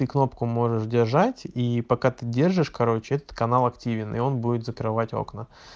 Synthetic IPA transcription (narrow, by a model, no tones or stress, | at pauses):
t̪ɨkno̞pkʊmo̞ʐɨʂdʲɪrʐatʲipɐkat̪ɨdʲe̞rʐɨʂkɐɾo̞t͡ɕɪɛt̪ə̥t̪̚kɐnalˠɐktʲivʲɪnʔḭo̞nbudʲɪt̪zəkɾɨvatʲo̞̰knə